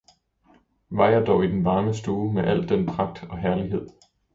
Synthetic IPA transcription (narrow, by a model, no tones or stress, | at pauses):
ʋɑ̈ɪɐd̥ɒʊid̥enʋɑ̈ːməsd̥oːmeʔæl̰d̥enpʰʁɑ̈ɡ̥̚d̥ɒ̽ɦæɐliɦe̝ð̞̰ˠ